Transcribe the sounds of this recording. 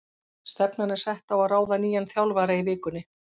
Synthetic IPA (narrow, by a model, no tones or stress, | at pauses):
st̪ɛpnanːɪsɛht̪awaðraːwðaniːjanθjawlvaːɾaivɪːkʏnːɪ